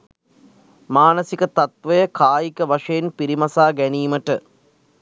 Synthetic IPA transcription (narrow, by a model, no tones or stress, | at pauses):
maːnɐsikət̪ɐt̪ʋɐjəkaːjikəʋɐʂɐjenpiɾimɐsaːɡæniːməʈɨ